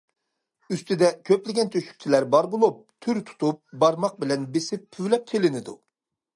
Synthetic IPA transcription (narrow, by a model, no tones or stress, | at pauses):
yst̪ɪd̪ɛkʲʰøplɪɡʲɛnt̪ʰøʃy̥kʲt͡ʃʰilæɾbɑɾbolˠup̚t̪ʰyɾt̪ʰu̥t̪ʰup̚bɑɾmɑq̚bɪlɛnbesɪpʰːyvlɛp̚k̪ʲʰelɪnɪd̪ṵ